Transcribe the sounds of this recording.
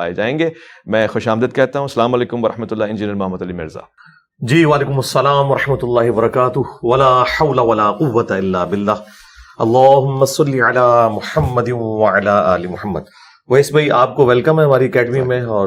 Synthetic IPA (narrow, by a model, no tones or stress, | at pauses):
a̰ːjḛd͡ʒaːẽːŋɡeːmɛ̃ːxʊʃaːmd̪ɪd̪̚kɛːt̪aɦũsɐlaːmɐleːkʊmʋɐɾɐħmɐt̪ʊlːaːɪ̃nd͡ʒɪniəɾmʊɦɐmːɐt̪ɐlimɪ̰ɾza̰ː | d͡ʒiːʋaːleːkʊmɐsːɐlaːmwɐɾɐħmɐt̪ʊlːaːɦɪbɐɾɐkaːt̪ʊɦʋɐlaːħɐwlaʋɐlaːqʊʋːɐt̪aɪlːaːbɪlːaː | ʔɐlˤːaːɦʊmːɐsɐlːiʕalaːmʊħɐmːɐd̪ɪnʋɐʕalaːaːlɪmʊħɐmːə̰d̪̚ | ʋɐɪsbaiʔaːp̚koʋɛlkɐmɦɛɦɐmaːɾikɛːɖmĩmẽɔːɾ